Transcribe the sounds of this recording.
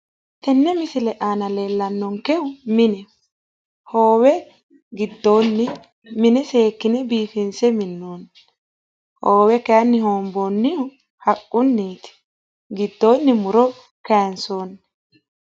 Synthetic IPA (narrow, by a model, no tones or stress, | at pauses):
t̪ɛnːɛmɪsɪlɛʔaːnɐle̞ːlːɐnːɔŋkɛʊmɪnɛ | ho̞ːwɛ | ɡɪd̪ːo̞ːnːɪ | mɪnɛse̞ːkːɪnɛbiːfɪnsɛmɪnːoːnː | hoːwɛkɛjɐnːɪhoːmboːnːɪʊ | hɐkʼːʊnːiːt̪ɪ̥ | ɡɪd̪ːo̞ːnːɪmʊɾɔ | kɛjɐnsoːnːɛ